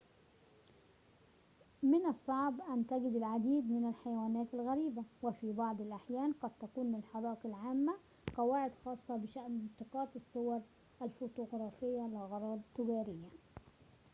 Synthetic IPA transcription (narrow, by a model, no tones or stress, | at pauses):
mɪnɑsˤːɑʕbʔant̪aɡɪd̪ɪlʕad̪iːd̪mɪnalħajwaːnæːt̪alɣaɾiːbawɪfibɑʕd̪ˤɪlʔaħjæːnqɑd̪̚t̪akuːnlɪlħɑɾˤɑːʔɪqɪlʕaːmːa | qɑwaːʕɪd̪xɑːsˤːɑbɪʃaʔnɪnt̪ɪqɑːt̪ɨsˤːʊwɑɾˤ | ʔalfoːt̪ʊɣɾˤɑːfɪjːalɪɣɑɾˤɑːd̪t̪ːɪɡaːɾɪjːa